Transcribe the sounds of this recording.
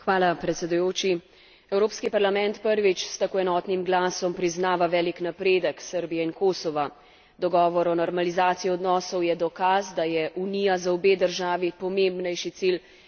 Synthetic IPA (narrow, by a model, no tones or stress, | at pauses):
xʋaːlapɾɛt̪sɛd̪ujoːt͡ʃi | ɛwɾoːpskipaɾlamɛnt̪pəɾʋit͡ʃst̪akoːɛnɔːt̪nimɡlaːsɔmpɾiznaːʋaʋɛːliknapɾeːd̪əksəɾbijɛinkoːsɔʋa | d̪ɔɡɔːʋɔɾɔnɔɾmalizaːt̪sijiɔd̪nɔːsɔwjɛd̪ɔkazd̪ajɛʔunijazaɔbeːd̪əɾʒaːʋipɔmembnɛjʃit̪sil